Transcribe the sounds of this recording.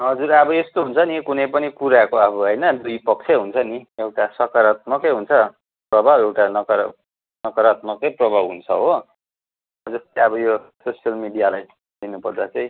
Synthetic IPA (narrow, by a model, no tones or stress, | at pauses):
ɦʌd͡zuɾʌbʌest̪oɦunt͡sʰʌnikunʌjpʌnikuɾakoʌbʌɦʌjnʌd̪ujpʌk̚t͡sʰeɦunt͡sʰʌniewʈasʌkaɾat̪̚mʌkʌjɦunt͡sʰʌ | prʌbʱawewʈanʌkʌɾ | nʌkʌɾat̪mʌkʌjprʌbʱabɦunt͡sʰʌɦo | ʌd͡zʌst̪eʌbʌjososijʌlmiɖijalaj | d̪inupʌrd̪at͡saĩ